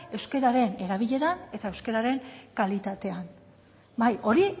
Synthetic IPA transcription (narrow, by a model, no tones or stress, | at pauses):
e̞wske̞ɾaɾe̞ne̞ɾaβ̞iʎe̞ɾae̞t̪aewske̞ɾaɾe̞ŋkalit̪at̪e̞an | bajʔo̞ɾi